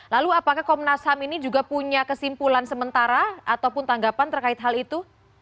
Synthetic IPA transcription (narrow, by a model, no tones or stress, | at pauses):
laluapakahkɔmnasaminid͡ʒuɡapuɲakəsimpulansəmənt̪aɾaat̪awpʊnt̪aŋɡapant̪ərkaɪt̪̚ɦalit̪u